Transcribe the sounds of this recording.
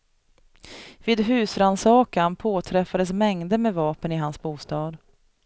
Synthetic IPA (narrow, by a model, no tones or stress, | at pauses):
viːd̪ɦʉ̟ːsɾansɑːkanpʰoːt̪ʰɾɛfːad̪əsmɛŋd̪əmɛvɑːpənɪɦansbuːst̪ɑːd̪